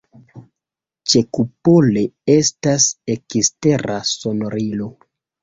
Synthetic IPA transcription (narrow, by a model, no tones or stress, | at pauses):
t͡ʃe̞kupole̞e̞stase̞kiste̞ɾaso̞noɾilo̞